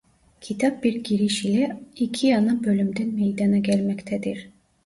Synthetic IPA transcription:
cʰit̪ʰɑp̚biɾɟʲiɾiʃilʲɛicʰijanɯbø̞lʲymd̪ɛnmejd̪ɑnaɟælʲmɛct̪ʰɛd̪iɾ̥

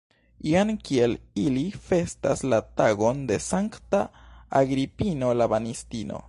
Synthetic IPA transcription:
iankie̞lilife̞staslataɡo̞nde̞saŋktaaɡɾipino̞labanistino̰

